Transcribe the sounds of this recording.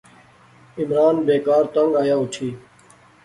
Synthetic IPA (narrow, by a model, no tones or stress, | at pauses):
ɪmɾaːnbeːkaːɾt̪əŋɡaːjaːʊʈʰiː